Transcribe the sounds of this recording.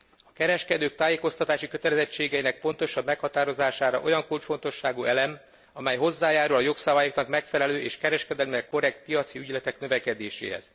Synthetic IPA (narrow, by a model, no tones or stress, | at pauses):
ɒkɛɾɛʃkɛd̪øːk̚t̪aːjeːko̞st̪ɒt̪aːʃikø̞t̪ɛlɛzɛt͡ʃːeːɡɛjinɛk̚po̞nt̪o̞ʃɒbmɛkhɒt̪aːɾo̞zaːʃaːɾɒ̰ʔo̞̰jɒŋkult͡ʃfo̞nt̪o̞ʃːaːɡuɛlɛm | ɒmɛjɦo̞zːaːjaːɾulɒjoksɒbaːjoknɒkmɛkfɛlɛløːʔeːʃkɛɾɛʃkɛd̪ɛlmiɛko̞ɾɛk̚t̪̚pijɒt̪siyɟlɛt̪ɛknø̞vɛkɛd̪eːʃḛːɦɛ̰z̥